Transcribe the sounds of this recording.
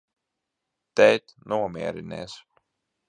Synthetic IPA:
t̪ɛjt̪nuɔmiɛɾinɛ̰ːs

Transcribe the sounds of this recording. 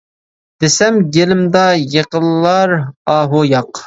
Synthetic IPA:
d̪̥esɛmɡʲelɪmd̪ɑjeqəlːɑɾɑːɦojɑq

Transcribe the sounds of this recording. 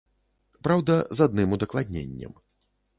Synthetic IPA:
pɾawd̪ɐzad̪nɨmud̪ɐklˠad̪ʲnʲḛnʲːɐ̰m

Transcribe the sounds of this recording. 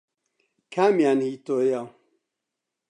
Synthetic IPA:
kʰamjanhit̪oja

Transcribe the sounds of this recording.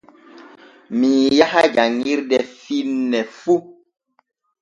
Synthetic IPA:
miːjahaɡaŋiɾdɛfinːɛfu

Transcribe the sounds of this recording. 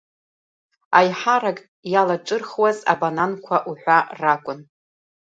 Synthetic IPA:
ajħaɾakʼ | jalaʈ͡ʂʷʼɨrχwaza̰banankʷʰaʔuħʷᶣarakʷʼʊn

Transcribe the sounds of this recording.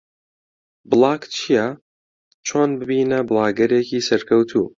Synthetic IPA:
bɨlˠɑːkt͡ʃʰijɐ | t͡ʃʰoːnbɨbiːnɐbɨlˠɑːɡɐɾeːciːsɐɾkʰɐwt̪ʰuː

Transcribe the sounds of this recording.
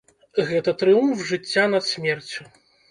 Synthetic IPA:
ɣɛt̪ɐt̪ɾɨumfʐɨt͡sʲːanɐt̪sʲmʲɛrt͡sʲu

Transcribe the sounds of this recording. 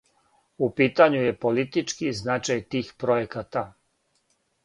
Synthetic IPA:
upiːt̪aɲuje̞po̞lit̪it͡ʃkiznat͡ʃajt̪iːxpɾojekat̪a

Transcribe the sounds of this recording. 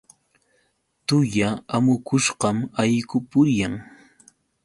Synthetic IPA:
t̪ʊjaamʊkʊʃqɑmajkʊpʊɾjaŋ

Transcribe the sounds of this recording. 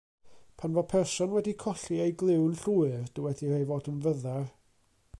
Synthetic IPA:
pʰanvɔpʰɛrsɔnwɛdikʰɔɬiejɡlˠɪwnɬuːɨrd̥əwɛdirejvɔːdənvəðar

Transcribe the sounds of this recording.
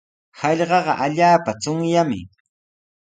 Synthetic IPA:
hɑʎɢɑɢɑ̰ʔaʎaːpat͡sʊŋjamɪ̰

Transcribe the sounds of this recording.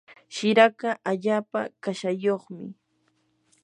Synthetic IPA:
ʃɪɾakaʔaʎaːpa̰kaʃajoχmɪ̰

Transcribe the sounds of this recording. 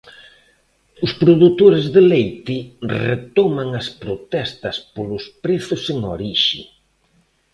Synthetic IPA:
ʊspɾoðut̪oɾɪzðelejt̪ɪrḛt̪ɔmaŋɐspɾot̪ɛst̪ɐspolʊspɾeθʊseŋoɾiʃɪ̰

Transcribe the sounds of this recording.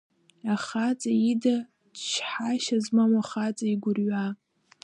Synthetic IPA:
aχat͡sʼaida | dʃħaʃazmamaχat͡sʼaiɡʷʊrɥa

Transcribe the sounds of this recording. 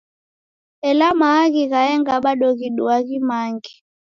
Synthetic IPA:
ɛlamaːɣiɣaɛŋɡaɓaɗɔɣiɗuaɣimaːŋɡi

